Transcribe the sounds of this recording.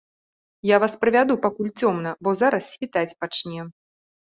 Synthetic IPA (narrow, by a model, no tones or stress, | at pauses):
javaspɾɨvʲad̪upakulʲt͡sʲɔmnɐbɔzaɾɐsːʲvʲit̪at͡sʲpat͡ʂnʲɛ